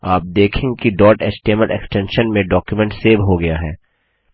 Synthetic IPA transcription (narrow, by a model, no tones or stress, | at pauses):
aːp̚d̪eːkʰẽkiɖɔːʈɛt͡ʃʈeməlʔɛ̰ksʈɛ̃nʃənmẽɖɔːkjumɛ̃ɳʈseːʋɦoɡɐjaɦɛ̰ː